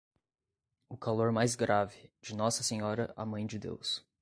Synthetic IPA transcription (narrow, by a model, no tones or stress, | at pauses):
ʊkaloɾmajzɡɾavɪd͡ʒɪnɔsɐsẽɲɔɾɐa̰mɐ̃j̃d͡ʒɪd̪ḛws